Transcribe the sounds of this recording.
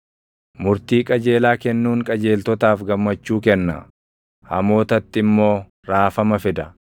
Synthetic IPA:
mʊɾt̪iːkʼɐd͡ʒe̞ːlaːkɛnːuːŋkʼɐd͡ʒe̞ːlt̪ɔt̪aːfɡɐmːɐt͡ʃːuːkɛnːɐ̰ | hɐmo̞ːt̪ɐt̪ːɪmːo̞ː | ɾaːfɐmɐfɪd̪ɐ

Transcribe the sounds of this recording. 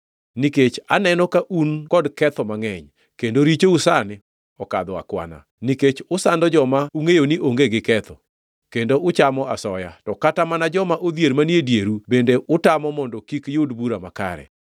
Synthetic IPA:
niket͡ʃa̰nɛnɔkaʔunkɔdkɛt̪ɔmaŋɛɲ | kendoɾit͡ʃousanɪ | ɔka̰d̪ɔa̰kwa̰na̰ | niket͡ʃʊsandɔd͡ʒɔmauŋejoniʔoŋɡeɡɪkɛt̪ɔ | kendoʔʊt͡ʃamɔasɔja̰tɔkatamanad͡ʒɔmaʔod̪jeɾmanjedjeɾubendeʔʊtamɔmɔndɔkikjʊdbuɾamaka̰ɾɛ̰

